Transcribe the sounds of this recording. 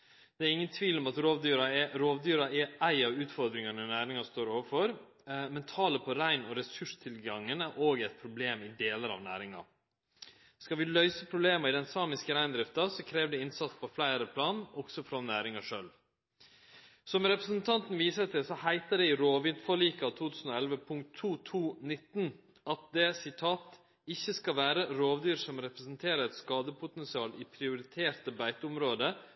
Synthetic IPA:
d̪̥ɛæɾɪŋːənt̪ʰʋiːlɔmɑt̪ɾoːʋd̪yːɾɑɾoːʋd̪yːɾɑʔɛæɪɑʋʉːt̪fɔɾd̪ɾɪŋɑnənæːɾɪŋɑst̪oːɾoːʋəfɔɾ | mɛnt̪ʰɑːləpʰɔɾæɪnɔɾɛsʉʂt̪ʰɪlɡɑŋːənæɾʔoːɡɛɪt̪̚pʰɾʊbleːmɪd̪eːləɾɑ̰ʋnæ̰ːɾɪŋɑ̰ | skɑʋɪlœʏsəpʰɾʊbleːməɪd̪ɛnsɑːmɪskəɾæɪnd̪ɾɪft̪ɑsɔkʰɾeːʋd̪ɛɪnsɑt̪spʰɔflæɪɾəpʰlɑːnɔɡ̥sɔfɾɔnæːɾɪŋɑʂœlʋ | sɔmɾɛpɾəsn̩t̪ʰɑnt̪n̩ʋiːsət̪ɪsɔhæɪt̪əɖɛɪɾoːʋɪd̪fɔɭiːkɑt̪ʰuːt̪ʰʉːsn̩oːɛlʋəpʰʊŋkt̪ʰːuːt̪ʰuːnɪt̪n | ɑt̪̚d̪ɛsɪt̪ʰɑːt̪ | ɪçːəskɑʋæːɾəɾoːʋd̪yːɾʂɔmɾɛpɾɛsənt̪ʰeːɾəɾɛt̪skɑːd̪əpʰʊt̪ɛnsɪɑːliːpʰɾɪʊɾɪt̪ʰeːɾt̪əbæɪt̪əʊmɾoːd̪ə

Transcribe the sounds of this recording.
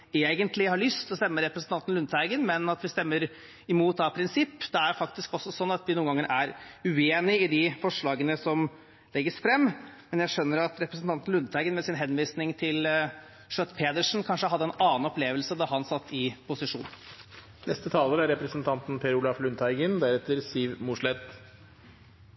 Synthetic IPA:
eːɡənt̪lɪhɑɾɭʏst̪ɔst̪ɛmːəɾɛpɾəsn̩t̪ɑnt̪n̩lʉnt̪hæɪɡənmɛnɑt̪ʋɪst̪ɛmːəɾ | ɪmuːt̪d̪ɑpʰɾɪnsɪpːd̪̥ɛæɾfɑkt̪ɪskɔsːɔsɔnːɑt̪ʋɪnuːənɡɑŋːəɾʔæɾʉeːnɪɪd̪ɪfɔʂɭɑːɡənəsɔm | lɛɡːəsfɾɛmːmɛnjæɪʂœnːəɾɑt̪ɾɛpɾəsən̩ɑnt̪n̩lʉnt̪ʰæɪɡənmɛsɪnɦɛnʋiːsnɪŋt̪ʰɪl | ʂœt̪ːpʰeːd̪əʂn̩kʰɑnʂəhɑd̪ːəɛnɑːnɔpleːʋəlsəd̪ɑɦɑnsɑt̪ʰːɪpʊsɪʂṵːn | nʔɛst̪ət̪ʰɑːləɾæɾɾɛpɾəsənt̪ʰɑnt̪n̩pʰeːɾʊlɑflʉnt̪ʰæɪɡənd̪æɾɛt̪ːəɾsiʋmuʂlɛt̪

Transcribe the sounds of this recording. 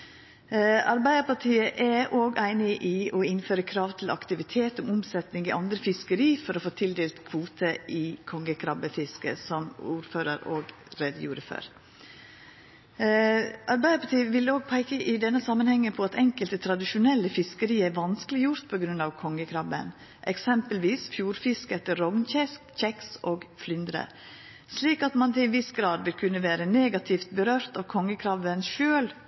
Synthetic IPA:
ɑɾbæɪəpɑʈʰiːəʔæʔoːɡʔæɪnɪʔɪʔɔɪnføːɾəkʰɾɑːʋt̪ʰɪlɑ̰kt̪ɪʋɪt̪ʰeːt̪ɔmʊmsɛt̪nɪŋɪʔɑnd̪ɾəfɪskəɾiːfɔɾɔfoːt̪ʰɪld̪eːlt̪kʰʋuːt̪ʰəʔɪkʰɔŋːəkʰɾɑbəfɪskə̰sɔmuːɾføːɾəɾoːɡ | ɾeːd̪əjuːɾəfø̰ːɾ | ʔɑɾbæɪd̪əpʰɑt̪ʰiːʋɪloːɡ̚pʰæɪkəʔɪd̪ɛnːəsɑmːənhɛŋːəpʰɔɑt̪ʰɛŋkəlt̪ət̪ʰɾɑd̪ɪʃʊnɛlːəfɪskəɾiːæɾʋɑnskəlɪjʊɾt̪pʰɔɡɾʉnɑʋkʰɔŋːəkʰɾɑʋə̰n | ʔɛksɛmpəlʋiːsfjuːɾfɪskɛt̪ːəɾɔŋnçɛskc͡çɛksʔoːɡflʏnd̪ɾə̰ | sliːkɑt̪mɑnt̪ɪʋɪsɡɾɑːd̪ʋɪlkʰʉnːəʋæːɾəneːɡɑt̪ʰɪft̪̚bəɾøːɾt̪ɑːʋkʰɔŋːəkʰɾɑʋənʃøːl

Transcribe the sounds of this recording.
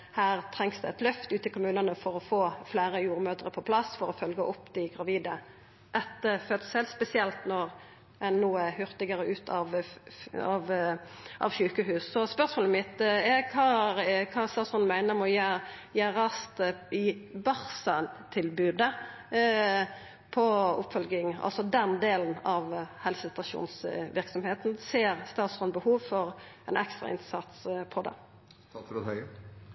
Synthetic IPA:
hæːʁt̪ʰɾɛŋsd̪ʉɛt̪lœft̪ʉːt̪ɪkʰʊmʉːnənəfɔɾɔfoːflæːɾəjuːɾmøːt̪əʁəpʰɔpʰlɑsfɔɾɔfœlɡəʔɔpːd̪ɪɡʁɑʋiːd̪ə | ʔɛt̪ːəfœt̪sɛlspɛsɪɛlt̪nɔɾ | ɛnːuːəhʉʁt̪ɪɡəɾəʔʉːt̪ʰɑʋ | ɑʋ | ʔɑ̰ʋɕʉːkəɦʉːsːɔspœʁsmoːləmɪt̪ɛkʰɑːkʰɑːst̪ɑːt̪sɔn̩mæɪnəʁmɔjæjæːɾɑst̪ɪbɑʁsɑnt̪ʰɪlbʉːd̪ə | pʰɔʊ̰pfœlɡɪŋɑ̰lsɔd̪ɛnd̪eːln̩ɑʋhɛlsət̪ɑʃṵːnsʋɪɾksɔmheːt̪nseːɾst̪ɑːt̪sɔnbəhuːʋfɔɾɛnɛkst̪ʁɑ̰ʔɪ̰nsɑt̪spʰɔd̪ɛ̰ | hœ

